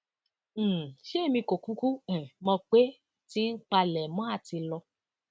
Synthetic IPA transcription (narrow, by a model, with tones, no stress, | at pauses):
ʃe˦˨mĩ˧ko˨ku˦ku˦ɛ˨mɔ̃˧k͡pe˦ | ti˦n̩˦k͡pa˧lɛ˨mɔ̃˨˦a˦˨ti˧lɔ˧